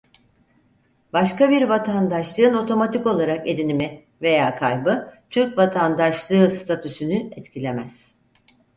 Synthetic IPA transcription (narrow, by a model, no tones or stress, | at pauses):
baʃkabiɾvat̪ʰand̪aʃlˠɯːɯno̞t̪ʰo̞mat̪ʰiko̞lˠaɾake̞d̪inimɪ | ve̞jaːkʰalʲbɯt̪ʰyɾcvat̪ʰand̪aʃlˠɯːst̪ʰat̪ʰysynyɛt̪cʰilʲe̞mæz̥